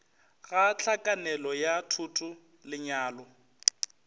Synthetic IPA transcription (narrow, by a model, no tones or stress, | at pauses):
ɣat͡ɬakʼanɛlɔjatʰutʼʊ | lɪɲaːlɔ